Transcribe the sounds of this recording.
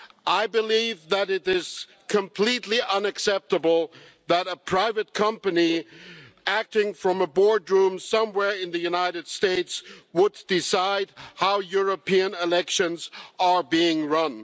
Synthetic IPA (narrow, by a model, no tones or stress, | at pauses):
ʔaɪbɨlivðɨɾɪɾɪz̥ | kʰɨ̃mpʰl̥itˡliʔʌ̃nɨksɛp̚təbl̩ˠ | ðəɾəpʰɹ̥aɪvɨt̚kʰʌ̃mpɨni | æk̚tɪ̃ŋfɹʌ̃məbɔɹdɹũmsʌ̃mwɛɹɨ̃nðɨjʉnaɪɾɨd̥steɪtswədɪsaɪd̚haʊjʊɹɨpʰiɨ̃nɪlɛkʃɨ̃nzə˞biɪ̃ŋɹʌ̃n